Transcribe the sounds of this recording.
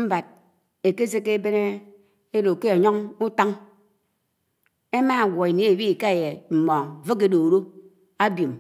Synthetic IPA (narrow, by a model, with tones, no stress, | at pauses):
m̩˦ba˨d̚ | e˨ke˦s̬e˦ke˦be˦ne˦ | e˦ɾo˨ke˦a˨ɲɔ˦ŋu˦ta˦ŋ | e˦ma˦˨wɔ˨e˨ne˦e˨bi˦i˨ka˦e˨je˨m̩˨mɔ˨ŋ˨vo˦ke˦do˨ɾo˦ | a˦bjo˨m